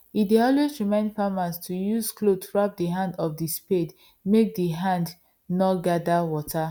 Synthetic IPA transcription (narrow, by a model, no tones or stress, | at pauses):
ideɔlesɹimãɪ̃ndfamastʰujuzklotʰuɹap̚diɦãndɔfdisped | mek̚diɦãnd | nɔtɡadawɔtʰa